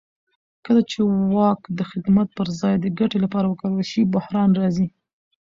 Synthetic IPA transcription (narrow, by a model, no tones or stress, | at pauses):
kəlat͡ʃewɑkd̪əxɪd̪mat̪̚pəɾzɑjd̪əɡaʈelapɑɾawəkəwəlʃibʊhɾɑnɾɑzi